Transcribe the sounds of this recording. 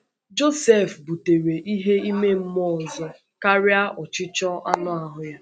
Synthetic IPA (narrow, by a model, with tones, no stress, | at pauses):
d͡ʒo˦se˦˨fbu˨te˨ɾe˨ʔi˦ɦe˦i˦me˦m̩˦mɔ˦˨ɔ˨zɔ˦ | ka˦ɾɪ˦a˦ʔɔ˨t͡ʃɪ˦t͡ʃɔ˦a̰˦nʊ˦a˨ɦʊ˨ja˦